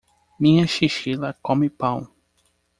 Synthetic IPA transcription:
mĩɲɐʃiʃilɐkõmɪpɐ̃w̃

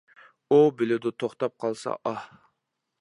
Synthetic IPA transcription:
ubɪlɪd̪ʊt̪ʰoχt̪ɑp̚qʰɑlˠsɑ̰ʔɑh

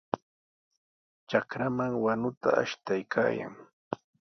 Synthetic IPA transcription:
t͡ʃakɾamaŋwanʊt̪aʔa̰ʃt̪ajkʰa̰ːja̰ŋ

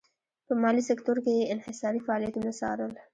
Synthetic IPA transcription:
pəmɑlisɪkt̪oɾkejeɪnhɪsɑːɾifaɑlijat̪omasɑ̰ɾəl

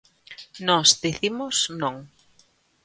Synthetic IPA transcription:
nɔzdiθimʊsnõŋ

